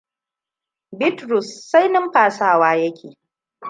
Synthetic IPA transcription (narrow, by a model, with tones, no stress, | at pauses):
bɪ˦tɾʊ˨sːa˦jnɪ˦mɸaː˨saː˦˨waː˦jɐ˦kʲeː˨